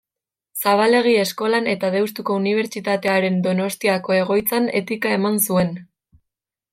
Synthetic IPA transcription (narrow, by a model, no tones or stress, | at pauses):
saβ̞ale̞ɣ̞ie̞sko̞lane̞t̪aðe̞wst̪uko̞uniβ̞e̞ɾt͡ʃit̪at̪e̞aɾe̞nd̪o̞no̞st̪iako̞e̞ɣ̞o̞jt͡sane̞t̪ikae̞mans̬ue̞n